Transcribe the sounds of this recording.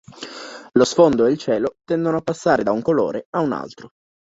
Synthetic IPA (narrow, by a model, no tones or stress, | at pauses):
losfond̪oeilt͡ʃɛːlot̪ɛnd̪onoapːasːaːɾed̪auŋkolo̰ːɾeauna̰lt̪ɾo